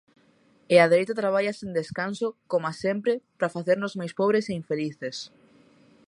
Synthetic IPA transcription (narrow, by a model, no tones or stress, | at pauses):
eaðeɾejt̪at̪ɾaβ̞aʎasẽnd̪eskansokomoasempɾɪpɾafaθeɾnozmajspɔβɾeseiɱfeliθes